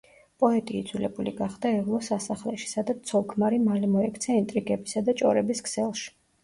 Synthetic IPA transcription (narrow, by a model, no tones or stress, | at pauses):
pʼɔɛt̪ʼiːd̪z̥wilɛbulḭɡaχd̪aɛvlˠɔsasaχlɛʃi̥sad̪at̪ʰsʰɔlˠkʰmaɾimalimɔɛkʰt̪sʰɛint̪ʼɾiɡɛbisad̪at͡ʃʼɔ̰ɾɛbiskʰsɛlˠʃi̥